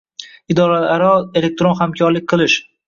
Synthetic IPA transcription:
ɪd̪ɒɾalaɾɒe̞le̞k̚t̪ɾonhamkʲʰɒɾlɪk̚ʲqʰɨlˠɪʃ

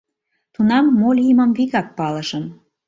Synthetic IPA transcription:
t̪unɑmːolʲiməmviɣɑk̚pɑlə̆ʃə̆m

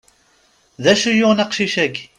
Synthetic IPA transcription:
ðæʃujʊnɑqʃiʃæɡ

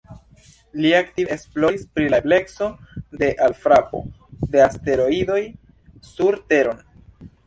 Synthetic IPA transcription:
liak̚tiesplo̞ɾispɾilable̞kso̞de̞ʔalfɾapo̞̰de̞aste̞ɾo̞ido̞j | suɾte̞ɾo̞n

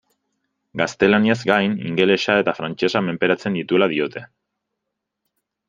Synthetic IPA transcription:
ɡast̪e̞laniazɡajnḭŋɡe̞le̞sae̞t̪afɾant͡ʃe̞same̞mpe̞ɾat͡se̞nd̪it̪ue̞lað̞io̞t̪ʰe̞

